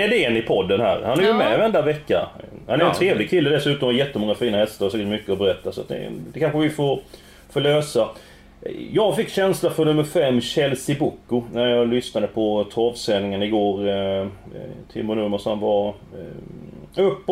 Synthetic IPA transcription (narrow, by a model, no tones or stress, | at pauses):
ɛd̪ɛnɪpʰɔd̪ːənhæ̰ːɾhanæɾjʊmɛvɛnd̪avɛkːa̰ha̰næɾɛnt̪ʰɾeːvlɪɡkʰɪlːəd̪ɛsʉ̟ːt̪ɔmaɾjɛt̪ːəmɔŋːafiːnahɛst̪aɾsɛːkəʈmʏkːəɔbɛɾɛt̪ːasa̰t̪̚d̪ɛ̰d̪ɛkʰanɧəvɪfoɾ | foːløːsa | jɑːɡfɪkːɕɛnslafɔnɵmːəɾfɛmːɕɛlsɪbʊkːʊnæɾjɑɡlʏsnad̪əpʰɔt̪ʰɔːvsɛnɪŋənɪɡoːɾ | t̪ʰɪ̰mːʊnɵmːəʂɔnva | ɵpː